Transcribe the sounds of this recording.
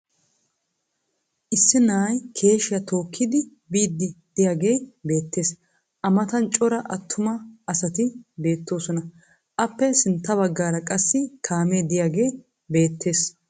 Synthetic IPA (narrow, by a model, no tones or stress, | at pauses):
ʔɪsːɪnaːjkʰe̞ːʃɪjɐt̪o̞ːkʰːɪd̪ɪ | biːd̪ːɪd̪̥ɪjaːɡe̞ːbe̞ːt̪ːe̞ːs | ʔɐmɐt̪ɐnt͡ʃʼɔɾɐʔɐt̪ʰːʊmɐɐsɐt̪ɪbe̞ːt̪ːo̞ːsɔnɐ | ʔɐpːɛsɪnt̪ːɐβɐɡːaːɾɐkʼɐsːɪk̪ʰaːmeːd̪ɪjaːɡe̞ː | be̞ːt̪ʰːe̞ːs